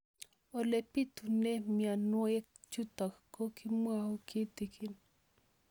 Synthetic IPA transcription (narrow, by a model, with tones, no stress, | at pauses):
o˨lepi˦t̪une˦mia˨nwo˦e˦kt͡ʃut̪ɔ˨kkːo˦kimwaukʰi˦t̪ikʰi˨n